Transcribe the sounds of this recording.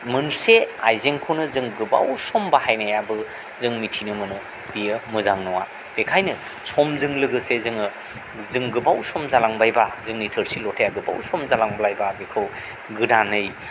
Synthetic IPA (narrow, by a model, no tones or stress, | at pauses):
mɯnseajzeŋkʰɯwnɯzɯŋɡɯba̰wsɔmbahajnajabɯ | zɯŋmitʰinɯmɯnɯ | b̥ijɯmɯzaŋnɔwa̰ | b̥ekʰajnɯ | sɔmzɯŋlɯɡɯsezɯŋɯ | zɯŋɡɯbawsɔmzalaŋbajbazɯŋnitʰɯɾsilɔtʰejaɡɯba̰wsɔmzalaŋblajbabikʰɯw | ɡɯdanɯj